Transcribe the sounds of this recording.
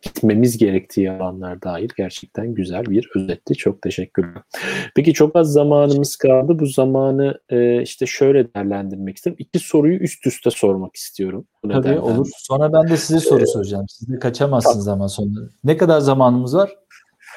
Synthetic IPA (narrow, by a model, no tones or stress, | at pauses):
ɟ̥it̪ʰme̞mizɟe̞ɾɛct̪ʰiːalˠanlˠaɾd̪aːjiɾʲɟæɾt͡ʃʰɛ̥c̚t̪ʰænɟyzælʲbiɾø̞zɛt̪ʰlʲit͡ʃʰo̞k̚t̪ʰe̞ʃɛcʲːyɾlʲɛpʰe̞c̬it͡ʃʰo̞kazːamaːnɯmɯskʰalˠd̪ɯbuzamaːnɯɯːiʃt̪ʰɛʃø̞jlʲɛd̪ɛjæɾlʲænd̪iɾmɛcist̪ʰiɾmicʰiso̞ɾujuʔyst̪ʰyst̪ʰɛso̞ɾmaki̥st̪ʰijo̞ɾum | unad̪o̰lˠuɾso̞nɾabænd̪ɛsizɛso̞ɾusoɾud͡ʒaːmsizd̪ɛkʰat͡ʃʰamazɯnzamanso̞nanɛkad̪aɾzamaːnɯmɯzvaɾ̥